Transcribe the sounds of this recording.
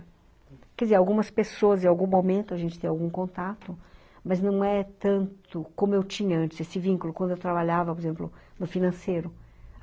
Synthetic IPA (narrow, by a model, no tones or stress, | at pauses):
kɛdɪzeɾawɡũmɐspesoɐzẽawɡũmomẽnt̪ʊɐʒẽnt͡ʃɪt̪ẽawɡũkõnt̪at̪ʊ | mɐznɐ̃w̃ɛt̪ɐ̃nt̪ʊkõmʊewt͡ʃĩɲɐɐ̃nt͡ʃɪz̥esɪvĩŋkʊlʊkwɐ̃d̪ʊewt̪ɾabaʎavɐpoɾezẽmplʊnʊfinɐ̃sejɾʊ